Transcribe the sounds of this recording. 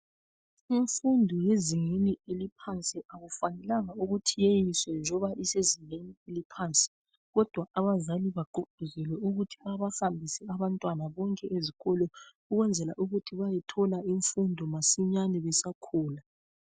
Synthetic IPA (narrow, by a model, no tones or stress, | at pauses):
iɱfundʱɔjeziŋenielipʰant͡sʼiaɣufanɛlaŋauɣutʰijejiswɛnd͡ʒʱɔβaʔiseziŋenielipʰaːnt͡sʼɛ̥ | ɣɔd̥ʱwaʔaβazaliβaɡ͡ǃuɡ͡ǃ̥ʱuzɛlwɛuɣutʰiaβahambʱisɛaβantʼwanaβɔŋkʼɛʔeziɣɔlɔ | uɣwɛnd͡zʱɛla̰ʔuɣutʰiβajɛtʰɔlaiɱfundʱɔmasiɲanɛβɛsakʰuːla